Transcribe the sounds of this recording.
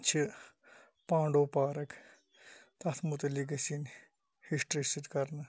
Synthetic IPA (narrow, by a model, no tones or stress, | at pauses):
t͡ʃʰi | pãːɳɖoːpaːɾɐk | t̪ɐt̪ʰmut̪ɐlik̬ɐsin | hiʂʈɾisit̪kɐɾnɐ